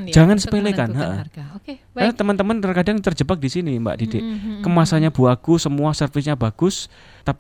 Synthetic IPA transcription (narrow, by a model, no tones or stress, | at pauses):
d͡ʒ̥aŋansəpelekanɦa̰ʔə̰ | kanat̪əmənt̪əmənərkadaŋt̪ərd͡ʒəbak̚d̥isinimba̰ʔd̥ideʔkəmasaɲab̥uaɡ̥usəmuasərfɪs̬ɲabaɡ̥ʊs | t̪api